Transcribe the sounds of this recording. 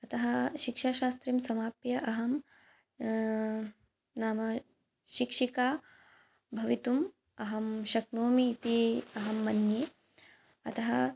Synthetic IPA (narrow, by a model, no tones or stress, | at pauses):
ɐt̪ɐɦɐʃikʂaːʃaːst̪ɾiːmsɐmaːpjɐʔɐɦɐm | naːmɐ | ʃikʂikaː | bʱɐʋit̪um | ɐɦɐmʃɐknoːmiːt̪iɐɦɐmːɐnjeː | ɐt̪ɐɦɐ